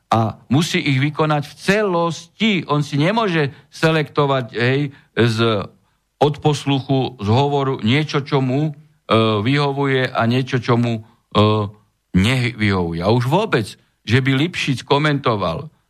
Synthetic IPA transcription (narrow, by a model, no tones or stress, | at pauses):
amusiːʔiɣʋikɔnacft͡sɛlɔsciɔnsiɲɛmʊɔʒɛsɛlɛkt̪ɔʋacɦɛj | z | ɔt̪pɔsluxuzɦɔʋɔɾuɲɪɛt͡ʃɔt͡ʃɔmu | ʋiɦɔʋujɛʔaɲɪɛt͡ʃɔt͡ʃɔmu | ɲɛʋiɦɔʋujɛauʒʋʊɔbɛd͡z | ʒɛbilipʃit͡skɔmɛnt̪ɔʋa̰l